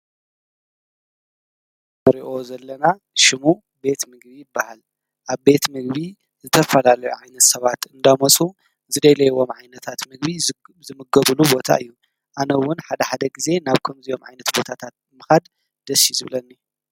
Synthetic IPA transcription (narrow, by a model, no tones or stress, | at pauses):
mɨɾiʔo̞zɐlːɐna | ʃɪmu | be̞t̪mɨɡ̚bijɪbːahal | ʔaβbe̞t̪mɨɡβi | zɨt̪ʰɐfɐlalɐjuʕajnɐt̪sɐβat̪ɨnd̪amot͡sʼu | zɨd̪ɐjlɐjwo̞mʕajnɐt̪ʰat̪mɨɡbi | zɨmɨɡɐβɨlubo̞t̪ʰa̰ɨjːu | ʔanɐwʊnħad̪ɐħad̪ɐɡize̞naβkʰɐmzijo̞mʕa̰jnɐt̪bo̞t̪ʰat̪ʰat̪̚ | mɨxad̪ | d̪̥ɐsːizɨβlɐnːi